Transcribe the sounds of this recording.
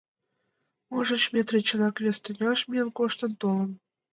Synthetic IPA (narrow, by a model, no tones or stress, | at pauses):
uʒə̆t͡ɕmʲet̪rĕt͡ɕɤ̆nɑkβʲest̪ø̆nʲɑʃmʲiənkoʃt̪ə̆nt̪olˠə̆n